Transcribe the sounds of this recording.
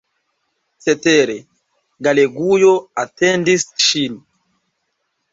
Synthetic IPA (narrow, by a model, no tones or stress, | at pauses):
sɛtɛɾɛ | ɡaleɡujɔatɛndisʃin